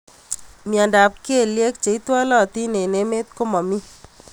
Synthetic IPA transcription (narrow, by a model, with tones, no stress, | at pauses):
mja˨nda˨p̚ki˦e˦˨lje˦k̚t͡ʃe˨˦i˦t̪wa˦lɔ˦˨t̪i˦ne˨ne˦me˦t̪̚ko˦mɔ˨mi˦